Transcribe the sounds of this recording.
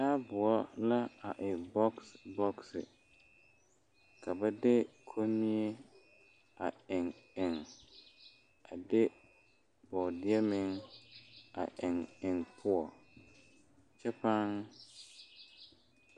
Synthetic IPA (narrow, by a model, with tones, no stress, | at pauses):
daː˦bʊ˨ɔ˦la˦a˨ʔɪ˨bɔ˦ksbɔ˦ksɪ̰˨ | kʰa˨ba˦dɪ˦kʰo˦mi˦e˦ | a˨ɪ˨ŋɪ˨ŋ | a˨dɪ˦ | bɔ˨dɪ˦ɛ˦mɪ˦ŋ | a̰˨ʔɪ˨ŋɪ˨ŋpʰʊ˦ɔ˨ | t͡ʃɛ˦pa˦ŋ